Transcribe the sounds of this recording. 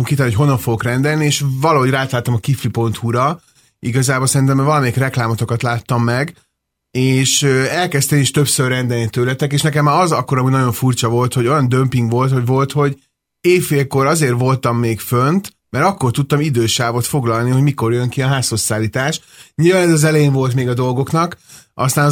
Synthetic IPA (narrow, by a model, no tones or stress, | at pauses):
omkit̪ɛlniocɦo̞nːɒɱfoɡokrɛnd̪ɛlnieːʃvɒlɒɦoɟraːt̪laːt̪ːɒmɒkifripo̞nt̪huɾɒ | iɡɒzaːbo̞lsɛɾint̪ɛmːvɒlɒmeikrɛklaːmo̞t̪o̞kɒt̪laːt̪ːɒmːɛɡ | eːʃøɛlkɛst̪ɛmeʃt̪ø̞psørːɛnd̪ɛlnit̪øːlɛt̪ɛkeːʃnɛkɛmːaːɾɒzɒkːoɾɒmuːɟnɒjo̞ɱfurt͡ʃɒvo̞lt̪ho̞ɟojɒnd̪ømpiŋɡvo̞lt̪ho̞ɟvo̞lt̪ho̞ɟ | eːffeːlko̞ɾɒzeːrvo̞lt̪ɒmːeːkfønt̪ | mɛɾɒkːo̞rt̪ut̪ːɒmid̪øːʃaːvo̞t̪fo̞ɡlɒlniho̞ɟmikorjøŋkiɒɦaːshosːaːlːiːt̪aːʃ | ɲilvaːnɛzɒzɛlɛjeɱvo̞lt̪meːɡɒd̪o̞lɡo̞knɒk | ʔɒst̪aːn